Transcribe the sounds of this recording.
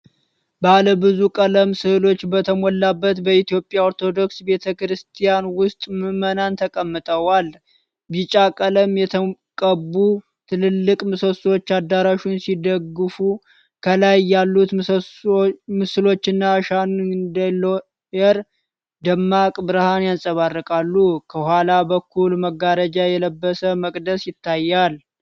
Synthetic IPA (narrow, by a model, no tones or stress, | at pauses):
baləbɨzukʼələmsɨhɨlo̞t͡ʃːbət̪ʰəmɔlːabːət̪bəit̪ijo̞pʼjaoɾt̪ʰo̞d̪o̞ksbe̞t̪ʰəkɾɨst̪ʰijanwʊst̪ʼmɨmənant̪ʰəkʼəmːɨt̪ʼəwal | bit͡ʃʼakʼələmjɛt̪ʰə | kʼəbu | t̪ʰɨlɨlːɨkʼmɨsəswo̞t͡ʃːad̪ːaɾaʃunsid̪əɡɨfu | kʰəlajːalːut̪ | mɨsɨlo̞t͡ʃːɪnːaʃannd̪əlo | jɛɾ | d̪əmːakʼbɨɾɨhanjansʼəβarːəkʼalːukʰəhʷwalabəkʰːulməɡːaɾəd͡ʒajɛləbːəsəməkʼd̪əsjɪt̪ʰːajːal